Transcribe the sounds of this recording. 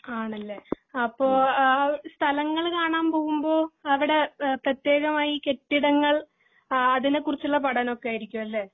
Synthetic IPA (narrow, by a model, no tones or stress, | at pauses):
aːɳɐlːe | ɐpːo̞ː | st̪ʰɐlɐŋːɐɭkaːɳaːmpo̞ːɣumbo̞ːɐʋiɽe̞prɐt̪ːje̞ːɣɐmaːjike̞ʈːiɽɐŋːɐɭ | ɐðinekːurit͡ɕːuɭːɐpɐɽɐno̞kːeaːjiɾikʲːumɐlːeː